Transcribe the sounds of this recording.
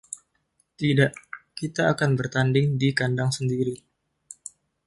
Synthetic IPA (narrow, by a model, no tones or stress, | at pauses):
t̪idaʔkit̪aːkanbərt̪andɪŋdikandaŋsəndiɾi